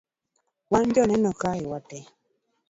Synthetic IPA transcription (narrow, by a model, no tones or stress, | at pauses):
wand͡ʒɔnɛnɔkaiwatɛ